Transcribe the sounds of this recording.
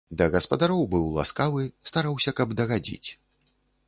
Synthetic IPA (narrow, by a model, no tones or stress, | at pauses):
d̪ɐɣɐspɐd̪aɾɔwbɨwlˠa̰skavɨst̪aɾawsʲɐkɐbd̪ɐɣad͡zʲḭt͡sʲ